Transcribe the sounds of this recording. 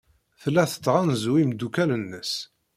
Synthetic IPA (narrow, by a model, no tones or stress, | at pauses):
θlːæθə̥t͡sːʁænzwimd̪ukælənːəs